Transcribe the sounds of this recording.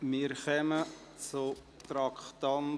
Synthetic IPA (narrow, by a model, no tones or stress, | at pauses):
mɪːɾχœmə | t͡sʊ | t̪ɾɑkχtɑn